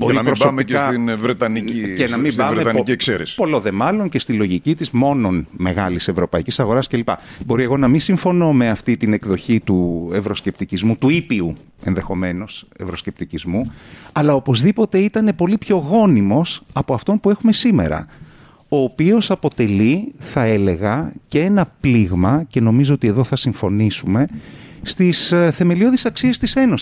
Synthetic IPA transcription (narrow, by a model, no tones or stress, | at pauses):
bo̞ɾiɐmɾosomiiksɐinvɾet̪ɐniicenɐmibɐmɾet̪ɐnciekseɾesi̥po̞loðe̞mɐlo̞ɲce̞st̪ilo̞ʝicit̪izmo̞no̞nme̞ɣɐlise̞vɾo̞pɐicisɐɣo̞ɾɐsce̞lipɐ̰bo̞ɾie̞ɣo̞nɐminsiɱfo̞no̞me̞ɐft̪it̪ine̞kðo̞çit̪ue̞vɾo̞sce̞p̚t̪icizmut̪uipiu | e̞nðe̞xo̞me̞no̞se̞̰vɾo̞sce̞p̚t̪icizmuɐlɐo̞po̞zðipo̞t̪e̞it̪ɐne̞po̞lipço̞ɣo̞nimo̞sɐpo̞ɐft̪o̞npue̞xume̞sime̞̰ɾɐ̰ | o̞ːpio̞sɐpo̞t̪e̞liθɐe̞le̞ɣɐcee̞nɐpliɣmɐce̞no̞mizo̞ot̪ieðo̞θɐsiɱfo̞nisume̞st̪isθe̞me̞lio̞ðisɐksiɐst̪ise̞no̞s